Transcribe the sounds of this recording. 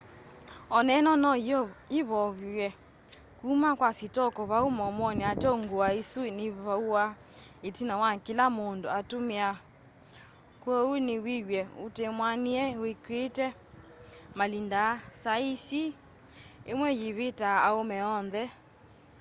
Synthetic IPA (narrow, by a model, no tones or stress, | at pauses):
ɔnɛnɔnɔiiβɔβwɛ | kumakwasitɔkɔβaumɔmɔneatɔŋɡoaesuneβauwa | etinawakilamondoatomea | kwɔunewiɣwɛotemwaniɛwekwetɛ | malindasaisi | emwɛjiβetaːomɛɔnðɛ